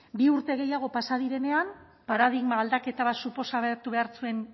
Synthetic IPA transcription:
biuɾt̪e̞ɣ̞e̞jaɣ̞o̞pasaðiɾe̞ne̞am | paɾaðiɣmaːld̪ake̞t̪aβat̪supo̞saβeɾt̪uβe̞aɾt͡sue̞n

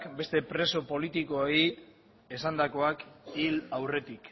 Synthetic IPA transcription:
kbe̞st̪e̞pɾe̞so̞po̞lit̪ikoei | esand̪ako̞akilawre̞t̪ik

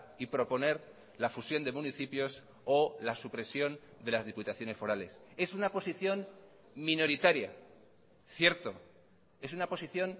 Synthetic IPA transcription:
ipɾo̞po̞ne̞ɾ | lafusjo̞nd̪e̞mũniθipjo̞s | olasupɾe̞sjo̞n | d̪e̞lazðiput̪aθjo̞ne̞sfo̞ɾale̞se̞sunapo̞siθjo̞n | mĩno̞ɾit̪aɾja̰ | θje̞ɾt̪o̞ | e̞sunapo̞siθjo̞n

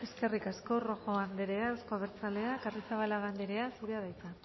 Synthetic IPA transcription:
e̞ske̞rikasko̞ro̞xo̞and̪eɾe̞aewskoaβeɾt͡sale̞akarisaβalaɣand̪eɾe̞asuɾeaðajt͡sa

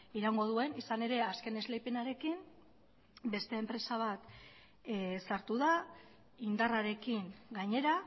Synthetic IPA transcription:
iɾaŋɡo̞ð̞ue̞nisane̞ɾe̞aske̞ne̞zlejpenaɾe̞kim | be̞st̪e̞ːmpɾe̞saβ̞at̪ | saɾt̪uða | ind̪araɾe̞kiŋɡaɲe̞ɾa

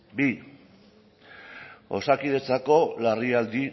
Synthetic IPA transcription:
bi | o̞̰sakiðe̞t͡sako̞lariald̪i

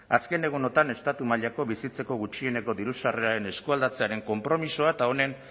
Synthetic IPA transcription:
aske̞ne̞ɣ̞uno̞t̪ane̞st̪at̪umaʎako̞βisit͡se̞ko̞ɣ̞ut͡ʃie̞neko̞ðiɾusare̞aɾe̞ne̞skuald̪at͡se̞aɾe̞ŋko̞mpɾo̞miso̞aet̪ao̞ne̞n

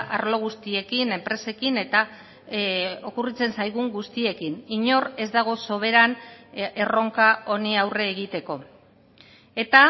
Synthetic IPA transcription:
a̰ɾlo̞ɣ̞ust̪ie̞kine̞mpɾe̞se̞kine̞t̪a | o̞kurit͡se̞nsajɣ̞uŋɡust̪ie̞kiniɲo̞re̞zd̪aɣ̞o̞so̞β̞e̞ɾane̞ro̞ŋkao̞niawre̞ːɣit̪e̞ko̞ | e̞t̪a

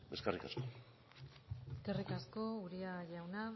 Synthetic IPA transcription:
beskarikasko | eskarikasko̞uɾiaʎawna

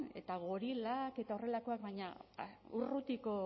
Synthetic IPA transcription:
e̞̰t̪aɣoɾilake̞t̪ao̞re̞lako̞ak̚baɲaurut̪iko̞

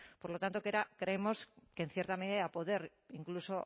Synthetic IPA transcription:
poɾlo̞t̪ant̪o̞keɾakɾeemo̞sken̟θjeɾt̪ameðeapo̞ðe̞ɾ | iŋkluso̞

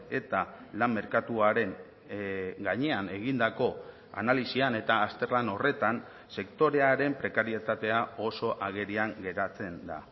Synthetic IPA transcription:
e̞t̪a | lammːe̞ɾkat̪uaɾe̞ŋ | ɡaɲe̞ane̞ɣind̪ako̞ | a̰nalisiane̞t̪aːst̪e̞rlano̞re̞t̪an | se̞kt̪o̞ɾe̞aɾe̞mpɾe̞kaɾie̞t̪at̪e̞ao̞so̞ʔaɣ̞e̞ɾiaŋɡe̞ɾat͡se̞nd̪a̰

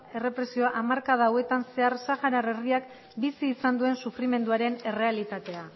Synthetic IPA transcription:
e̞re̞pɾe̞sio̞aʔamaɾkað̞awe̞t̪anse̞aɾsaɣaɾaɾe̞riak | bisiːsand̪ue̞nsufɾime̞nd̪uaɾe̞ne̞re̞alit̪at̪e̞a

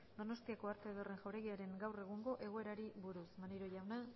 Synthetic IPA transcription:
d̪o̞no̞st̪iakoaɾt̪eβere̞ŋʝawɾe̞ɣiaɾe̞ŋɡawre̞ɣ̞uŋɡo̞ʔe̞ɣo̞e̞ɾaɾiβuɾusmaneɾo̞jawna

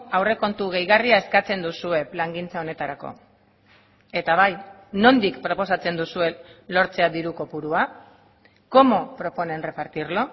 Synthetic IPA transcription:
awre̞ko̞nt̪uɣ̞e̞jɣariae̞skat͡se̞nd̪usue̞plaŋɡint͡sao̞ne̞t̪aɾako̞̰ | e̞t̪aβ̞aj | no̞nd̪ikpɾo̞po̞sat͡se̞nd̪usue̞lo̞ɾt͡se̞aðiɾuko̞puɾua | ko̞mo̞pɾo̞po̞ne̞nre̞paɾt̪iɾlo̞

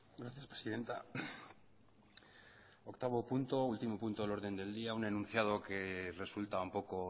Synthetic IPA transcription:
ɡɾaθjaspɾesiðe̞nt̪a | okt̪aβ̞o̞punt̪o̞ult̪imo̞punt̪olo̞ɾð̞e̞nd̪e̞ld̪iaunenũn̟θjað̞o̞ke̞re̞sult̪aumpo̞ko̞

